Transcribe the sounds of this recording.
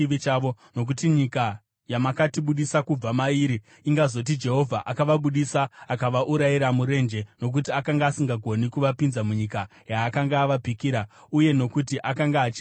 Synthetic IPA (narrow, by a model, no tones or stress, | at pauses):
iʋit͡ʃaːʋo̞ | no̞k̬utiɲika | jamakatiɓuɗisakub͡vamaiːɾiː | ŋɡazo̞t̬id͡ʒe̞ɦo̞vʱaʔakaʋaɓuɗisaːkaʋaʔuɾaiɾamuɾe̞nd͡ʒe̞no̞k̬utiakaŋɡaːsiŋɡaɡʱo̞nikuʋapinzamuɲikajaːkaŋɡaːʋapikiɾauje̞no̞kutiʔakaŋɡaːt͡ʃi